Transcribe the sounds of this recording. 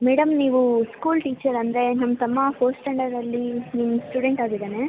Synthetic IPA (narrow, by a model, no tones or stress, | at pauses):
meːɽɐmniːʋuskuːlʈiːt͡ʃɐɾɐnd̪ɾe̞nɐmːɐt̪ɐmːɐpoːsʈɐɳɖɐɾɐlːinimusʈjuɽeɳʈaːɡid̪eːne